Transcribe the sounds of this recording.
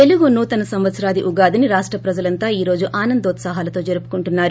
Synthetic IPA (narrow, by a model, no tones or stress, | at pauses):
eluɡunuːt̪ɐnɐsɐmʋɐt̪sɐɾaːd̪iʔuɡaːd̪iniɾaːʂʈɾɐpɾɐd͡ʒɐlɐnt̪aːiːɾo̞ːd͡ʒuʔaːnɐnd̪oːt̪saɦaːlɐt̪o̞ːd͡ʒeɾupu̥kuɳʈunːaːɾu